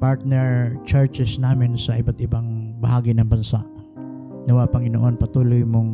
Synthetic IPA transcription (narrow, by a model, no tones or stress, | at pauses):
paɹt̪̚nɛɹt͡ʃɛɹt͡ʃɛsnaːmɪnsɐʔɪbat̪ɪbaŋbɐhaːɡɪnɐŋbɐnsa̰ʔ | nɐwɐapɐŋɪnoʔo̞npɐt̪uːlojmoŋ